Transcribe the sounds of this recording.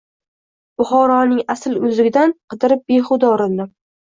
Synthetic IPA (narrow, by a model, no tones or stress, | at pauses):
b̥ʊχɒɾɒnɪŋasɪlʊzɪɡʲɪd̪anqʰɨd̪ɪɾɪp̚beχʊd̪ɒɾɪnd̪ɪ